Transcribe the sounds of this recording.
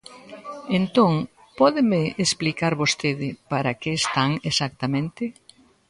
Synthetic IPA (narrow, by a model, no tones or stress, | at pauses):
ent̪oŋ | pɔðɪmɪʔːsplikaɾβost̪eðɪpaɾɐkeːst̪aŋesak̚t̪amẽnt̪ɪ